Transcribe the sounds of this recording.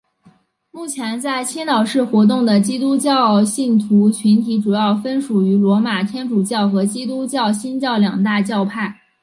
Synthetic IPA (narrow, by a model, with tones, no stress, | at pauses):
mu˥˩t͡ɕʰjɛ˧˥nt͡sa˥˩ɪt͡ɕʰi˥nnɑ˨˩ʊʂɻ̩˥˩xwɔ˧˥t̪̬ʊ˥˩ŋd̪ə˩t͡ɕi˥t̪u˥t͡ɕjɑ˥˧ʊɕi˥˩nt̪ʰu˧˥t͡ɕʰy˧˥nt̪ʰi˧˥ʈ͡ʂu˨˩jɑ˥˩ʊfə˥nʂu˨˩y˧˥lwɔ˧˥ma˨˩t̪ʰjɛ˥nʈ͡ʂu˨˩t͡ɕjɑ˥˩ʊxɤ˧˥t͡ɕi˥t̪̬u˥t͡ɕjɑ˥˩ʊɕi˥nt͡ɕjɑ˥˩ʊljɑ˨˩ŋt̪a˥˧t͡ɕjɑ˥˧ʊpʰa˥˩ɪ